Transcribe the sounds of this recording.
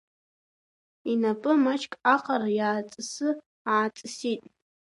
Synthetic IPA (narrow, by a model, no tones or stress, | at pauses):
inapʼɨmat͡ʃʰʼkʼaqʰʼarjaːt͡sʼɨsɨ | aːt͡sʼɨsitʼ